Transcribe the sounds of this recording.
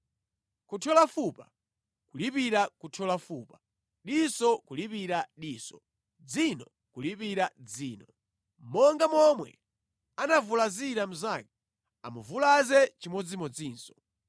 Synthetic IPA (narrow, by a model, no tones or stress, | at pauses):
kutʰɔlafupa | kulipiɾakutʰɔlafuːpa | ɗisɔkulipiɾaɗiːsɔ | d͡zinɔ | kulipiɾad͡ziːnɔ | mɔŋɡamɔmwɛ̰ | anavulaziɾam̩zaki | a̰muvulazɛt͡ʃimɔd͡zimɔd͡ziːnsɔ